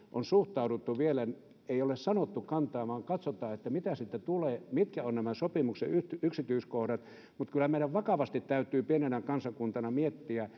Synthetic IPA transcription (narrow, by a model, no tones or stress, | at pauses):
ʔonsuht̪ɑuɾut̪ːuʋielæn | eiolessɑnot̪ːukɑnt̪ɑːmɑːŋkɑt̪sot̪ɑːet̪ːæmit̪æsit̪ːæt̪uleːmit̪kæonnæmæsopimukseyyksit̪yiskohɾɑt̪ | mut̪kylːˑæmeilæʋʋɑkɑʋɑst̪it̪t̪æyt̪yːpienenækɑnsɑkunt̪ɑnɑmiet̪ːiæ